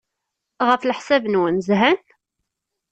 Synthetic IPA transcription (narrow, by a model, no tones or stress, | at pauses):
ʁəflħsævnwənzɦæn